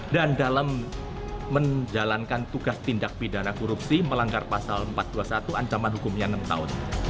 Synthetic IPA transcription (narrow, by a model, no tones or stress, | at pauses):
dandalamː | əɲd͡ʒalankant̪uɡ̥ast̪indak̚pidanakɔɾupsiməlaŋɡarpasaləmpat̪̚d̥uasat̪uaɲt͡ʃamanɦukʊmɲanəmt̪a̰ʊ̰n